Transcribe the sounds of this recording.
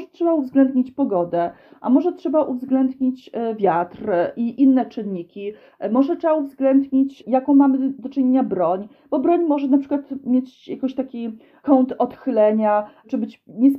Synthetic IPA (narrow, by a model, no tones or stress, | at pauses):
ʐɛtʂɛbauvzɡlɛnd̪ɲit͡ɕpɔɡɔd̪ɛ | ʔa̰mɔʐɛtʂɛbaʔuvzɡlɛnd̪ɲit͡ɕvʲjat̪ɾʔiʔinːɛt͡ʂɘnːikʲi | mɔʐɛtʂɛbauvzɡlɛnd̪ɲit͡ɕjakɔ̃w̃mamɘd̪ɔt͡ʂɨɲeɲabɾɔɲ | b̥ɔbɾɔɲmɔʐɛnapʂɘkwat̪mʲjet͡ɕjakɔ̃ɕt̪akʲi | kɔnt̪ɔt̪xɘlɛɲat͡ʂɘbɘt͡ɕɲɛs